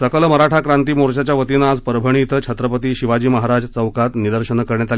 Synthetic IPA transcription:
səkəlməɾaʈʰakɾant̪iːmoɾɕat͡ɕjaʋət̪inad͡zpəɾəbʱəɳ̃it̪t͡ɕʰət̪ɾəpət̪iːɕiʋad͡ʑiːməɦaɾad͡zt͡səwkat̪nid̪əɾɕəɳkəɾɳjat̪al

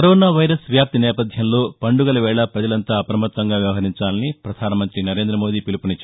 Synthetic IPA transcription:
kɐɾoːnaːʋɐjɾɐsʋjaːp̚t̪inɛːpɐd̪ʱjɐmlo̞ːpɐɳɖuɡɐlɐʋɛːɭɐpɾɐd͡ʒɐlɐnt̪aːɐpɾɐmɐt̪ʋɐŋɡaːʋjɐʋɐɦɐɾiɲt͡ʃaːlɐnipɾɐd̪ʱaːnɐmɐnt̪ɾinɐɾe̞ːnd̪ɾɐmoːd̪iːpilupunit͡ʃː

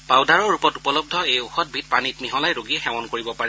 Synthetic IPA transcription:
pawdaɹɔɹɹupɔtupɔlɔb̚dʱɔejoxɔt̚bʱit̚panit̚niɦɔlajɹoɡiɛxɛmɔnkoɹibɔpaɹɛ

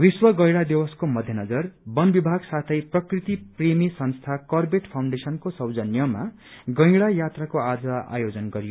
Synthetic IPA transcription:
wiswʌɡʌjɽad̪iwʌskomʌd̪ʱjʌnʌd͡zʌrbʌnbibʱaɡsat̪ʰʌjprʌkrit̪ipremisʌnst̪ʰakʌrbeʈpʰawɳɖesʌnkosʌwd͡zʌnjʌma | ɡʌ̃j̃ɡɽajat̪rakoad͡zʌa̰jod͡zʌnɡʌɾijo

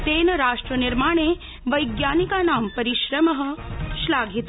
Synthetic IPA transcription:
t̪eːnɐɾaːʂʈɾəniɾmaːɳ̃eː | ʋɐjɡjaːnikanaːmpɐɾiʃɾɐmɐɦə̆ʃlaːɡʱit̪

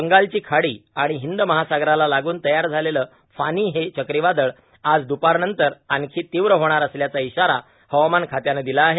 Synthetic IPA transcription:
əŋɡalt͡ɕiːkʰaɽiːaɽ̃iɦind̪məɦasaɡɾalalaɡuːnt̪əjaɾd͡zʱaleləː | faniːɦet͡ɕəkɾiʋad̪əɭ | ad͡zd̪upaɾnənt̪əɾankʰiːt̪iʋɾəɦoɽ̃aɾəsljat͡saiɕaɾa | həʋmankʰat̪janed̪ilaːɦe

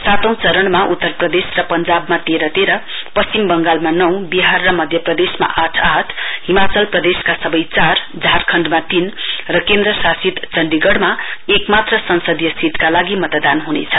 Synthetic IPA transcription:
sat̪ʌ̃w̃t͡sʌɾʌɳmaʔut̪ːʌrprʌd̪esrʌpʌnd͡zabmat̪eɾʌt̪eɾʌ | pʌst͡simbʌŋɡalmanʌw̃biɦarːʌmʌd̪ʱjʌprʌd̪esma̰ʔaʈʰaʈʰɦimat͡sʌlprʌd̪eskasʌbʌjt͡sar | d͡zʱarkʰʌɳɖmat̪inrʌkend̪rʌsasit̪t͡sʌɳɖiɡʌɽmaekmat̪rʌsʌnsʌd̪jʌsit̪kalaɡimʌt̪d̪anɦunḛt͡sʰʌ̥

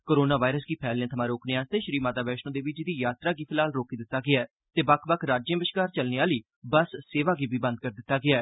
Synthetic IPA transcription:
koːɾoːnaːʋaːɪɾəsɡiːpʰɛːljãːt̪ʰəmãːɾoːkʰnɪãːzt̪eːʃəɾiːmaːt̪aːbɛːʃnõːd̪eːʋɪt͡ʃd̪iːjaːt̪ɾaːɡiːpʰɪlaːlɾoːkiːd̪ɪt̪ːaːɡɪaɛː | t̪eːbəkʰbəkʰɾaːd͡ʒjə̃ːbɪʃkaːɾt͡ʃəlneːaːliː | bəsːeːʋaːɡiːbiːbə̃nd̪̚kəɾd̪ɪt̪ːaːɡɪaɛː

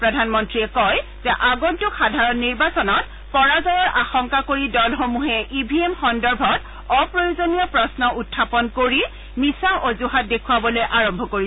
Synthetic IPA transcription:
pɹɔdʱanmɔntɹiɛkɔj | zɛʔaɡɔntʊxadʱaɹɔnːiɹbasɔnɔt | pɔɹazɔjɔɹʔaxɔŋkakoɹidɔlxomuɦɛʔibʱiemxɔndɔɹbʱɔt | ɔpɹojozonijɔpɹɔsnɔutʰːapɔnkoɹi | misaʔozuɦat̚dekʰuwabɔlojʔaɹɔmbʱɔkoɹi

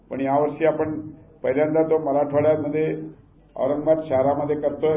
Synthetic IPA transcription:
puɳjaʋəɾʂiapəɳpəɦɾjant̪at̪oməɾaʈʰoɭjaməd̪ʱːje | ə̰wɾəŋɡʋad̪ʃaɦɾaməd̪ʱːjekəɾt̪o

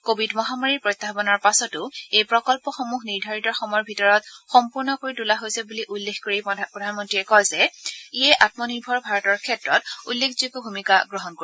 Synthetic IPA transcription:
kobʱidmɔɦamaɹiɹpɹɔjt̪ːapɔnɔɹpasɔtʊejpɹɔkɔlpɔxomuxniɹdʱaɹitɔɹxɔmɔjɔɹbʱitɔɹɔtxɔmpuɹnɔkoɹitulaɦojsɛbuliʔulːexkoɹipɹɔdʱanmɔntɹiɛkɔjzɛiɛʔatmɔniɹbʱɔɹbʱaɹɔtɔɹkʰɛtɹɔtulːekʰzukɔbʱumikaɡɹɔɦɔnko

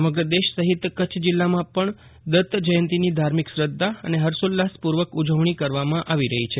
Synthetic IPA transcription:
əməɡɾəd̪eʃsəɦit̪kət͡ʃʰd͡ʒɪlːamãpəɳ | d̪ət̪d͡ʒəjənt̪inid̪ʱaɾmiksɾəd̪ʱːaə̰neɦəɾsolːaspuɾʋəkud͡ʒəʋɳ̃ikəɾʋamãʔaʋiɾəɦit͡ʃʰe

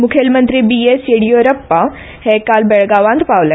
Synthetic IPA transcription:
mʊkʰelmə̃nt̪ɾibieseɽijoɾɐpːa | hekaːlbeɭɡaːʋãnd̪paːʋla

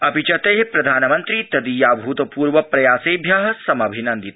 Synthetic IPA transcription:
ɐbit͡ʃɐt̪eɦepɾɐd̪ʱaːnɐmɐnt̪ɾiːt̪ɐd̪ijaːbʱuːt̪ɐpuːɾʋɐpɾɐjaːseːbʱjaːɦɐsɐmɐbʱinɐnd̪it̪

